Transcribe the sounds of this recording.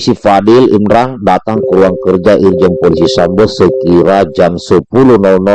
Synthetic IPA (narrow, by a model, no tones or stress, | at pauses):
sifadɪlḭmɾaŋdat̪aŋkəɾuaŋkərd͡ʒaʔird͡ʒənpolisisambɔsəkiɾad͡ʒamsəpuluhnɔlnɔ